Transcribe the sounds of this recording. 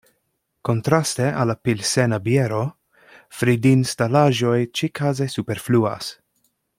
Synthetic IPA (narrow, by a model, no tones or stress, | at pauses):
kont̪ɾasteʔa̰lapilsenabjeɾo | fɾidinstalaʒojt͡ʃikʰazesupeɾflua̰s